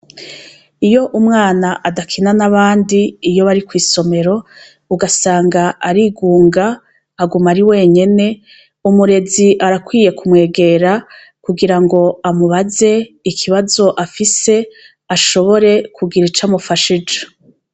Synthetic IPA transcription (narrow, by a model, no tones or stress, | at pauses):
ijo̞ʔumŋaːnaʔadakʰinanaβaːndiːjo̞βaɾikwiːso̞me̞ɾo̞ | uɡasaːŋɡaʔaɾiːɡuːŋɡaː | ɡumaɾiwe̞ːɲe̞ne̞ | umuɾe̞ziʔaɾakwiːje̞kumŋe̞ːɡe̞ɾa | kuɡiɾaŋɡo̞amuβaze̞ | ikʰiβazo̞ʔafise̞ | aʃo̞βo̞ɾe̞kʰuɡiɾit͡ʃamufaʃid͡ʒe̥